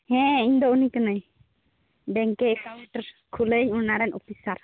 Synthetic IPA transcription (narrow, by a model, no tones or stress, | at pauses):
hɛ̃iɲd̪ɔunikənəj | bɛŋkɛkʰasɛʈəɾ | kʰuleɲunaɾɛnɔpisaɾ